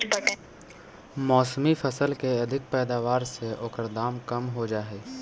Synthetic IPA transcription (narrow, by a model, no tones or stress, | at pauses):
mɔːsmifɐsəlkeɐd̪ʱɪk̚pɛːd̪aːʋaːɾseʔʊkəɾd̪aːmkɐmɦod͡ʒaːɦeː